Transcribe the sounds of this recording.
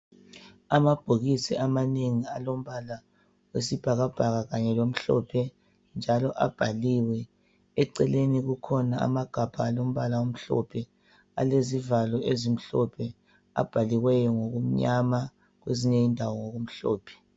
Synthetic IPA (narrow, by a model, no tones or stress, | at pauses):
amab̥ʱoɣisiamaneŋialom̩βala | wesib̥ʱaɣab̥ʱaɣaɣaɲɛlom̩ɬɔ̰pʰɛ | nd͡ʒʱalɔʔab̥ʱaliwɛ | ɛǀɛleniɣukʰɔnaa̰maɡ̥ʱab̥ʱaːlom̩βalaom̩ɬɔ̰pʰɛ | a̰lezivalɔʔezim̩ɬɔpʰɛ | a̰b̥ʱaliɣwɛjɔŋoɣum̩ɲama | ɣweziɲeindʱawɔŋoɣum̩ɬɔːpʰɛ̥